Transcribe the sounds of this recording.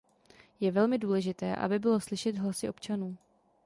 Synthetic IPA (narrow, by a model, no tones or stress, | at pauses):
jɛvɛlmɪduːlɛʒɪt̪ɛːʔa̰bɪbɪlo̞slɪʃɛd̪ɦlasɪʔo̞pt͡ʃanuː